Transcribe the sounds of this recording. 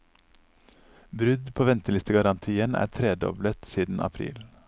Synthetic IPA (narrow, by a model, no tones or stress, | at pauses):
bɾʉd̪pʰoːʋɛnt̪əlɪst̪əɡɑɾɑnt̪ʰiːənʔæ̰ːt̪ʰɾeːd̪ɔ̰blət̪siːd̪n̩ʔɑ̰pʰɾḭːl